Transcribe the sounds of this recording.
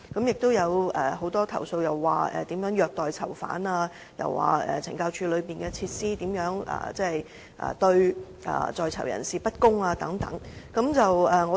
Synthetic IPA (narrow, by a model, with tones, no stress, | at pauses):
kɐ˨˥mjɪ˨k̚t̪o˥wjɐ˨˧wɛ˨ho˨˥wt̪ɔː˥t̪ʰɐ˨˩wso˧wjɐ˨wːaː˨˩ɛ̰ː˨˩t̪iː˨˥mjœː˨˥ŋjœː˨˧k̚t̪ɔː˨jt͡sʰɐ˨˩wfa̰ː˨˥naː˧ | jɐ̰˨wːa̰ː˨˩ɛ̰ː˨t͡sʰɪ̰˨˩ŋkaː˧wt͡ʃʰyː˧lɵ˨˧ɥpiː˨nkɛː˧t͡sʰiː˧t̚siː˥t̪iː˨˥mjœː˨˥ŋʔɐ̰ː˨˩t͡sɛː˥˨j | ʔɐ̰ː˨˩t̪ɵ˧ɥ | ʔɐ̰ː˨˩t͡sɔː˨jt͡sʰɐ˨˩wjɐ̰˨˩nsiː˨pɐ˥t̚kʊ˥ŋaː˧t̪ɐ˨˥ŋt̪ɐ̰˨˥ŋkɐ˨˥mt͡sɐ˨wɛː˨ŋɔː˨˧